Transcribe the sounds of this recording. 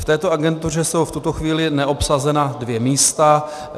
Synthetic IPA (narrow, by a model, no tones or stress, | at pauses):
ft̪ɛːt̪o̞aɡɛnt̪urɛso̞wft̪ut̪o̞xviːlɪnɛʔo̞psazɛnadvjɛmiːst̪a